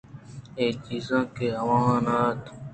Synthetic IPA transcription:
eːt͡ʃiːzãːkeːɦəʋãːnaːt̪ː

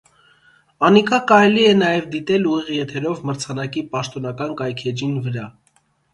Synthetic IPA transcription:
ɑnikʰɑkɑɾɛliɛnɑjɛvd̪it̪ɛluʁiʁjɛt̪ʰɛɾɔvməɾt͡sʰɑnɑkipɑʃt̪ɔnɑkɑnkɑjkʰɛd͡ʒinvəɾɑ

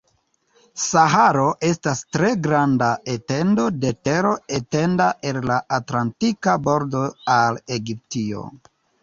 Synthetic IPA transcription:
saɦaɾo̞ʔe̞stastɾe̞ɡɾandaʔete̞ndo̞de̞te̞ɾo̞ete̞ndaʔe̞llaʔatlantikabo̞ɾdo̞ale̞ɡip̚tio̞̰

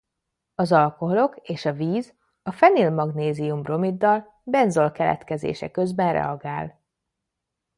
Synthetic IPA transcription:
ɒzɒlko̞ɦo̞lo̞keːʃɒviːz | ɒfɛnilmɒɡneːzijumro̞mid̪ːɒl | bɛnzo̞lkɛlɛ̰t̪kɛzḛːʃɛkø̞zbɛnrɛ̰ɒɡaːl

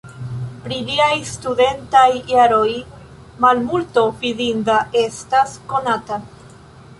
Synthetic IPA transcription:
pɾiliajstude̞ntajːaɾo̞j | malmulto̞vidindae̞stasko̞nata

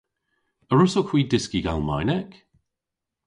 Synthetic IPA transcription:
əɹʊsokʰw̥iːdɪskiɡa̰lˠma̰jnɛk

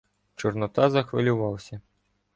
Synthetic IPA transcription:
t͡ʃɔrnɔt̪ɑzɐxʋɪlʲʊʋɑwsʲɐ

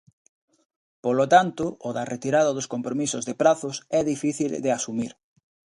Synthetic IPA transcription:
polot̪ant̪ʊːðaret̪iɾaðoðoskompɾomisozðepɾaθʊsɛðifiθild̪easumiɾ

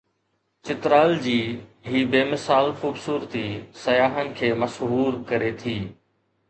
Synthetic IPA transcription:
t͡ɕɪt̪ɾaːld͡ʑiːɦiːbeːmɪsaːlxuːbsuːɾt̪isɐjaːɦənɪ̆kʰeːmɐʃɦuːɾkɐɾet̪ʰiː

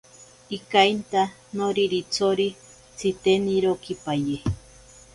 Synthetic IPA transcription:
ikajnt̪a | noɾiɾit͡sʰoɾi | t͡sʰit̪eniɾokipaje

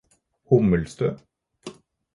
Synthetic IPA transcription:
hʊməlst̪øː

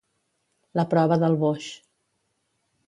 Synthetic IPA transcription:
ləpɾɔβəðəlˠβoʃ

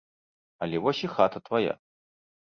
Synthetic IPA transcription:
ɐlʲɛvɔsʲixat̪ɐt̪vaja̰

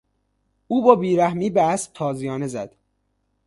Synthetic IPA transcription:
uːbɒːbiːɾæhmiːbeæsb̚t̪ʰɒːzijɒːne̞zæd̪̥

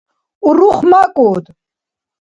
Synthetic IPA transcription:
uɾuχmakʼuːd̪

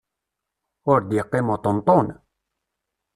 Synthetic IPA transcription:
oɾd̪iqːemot̪ont̪on

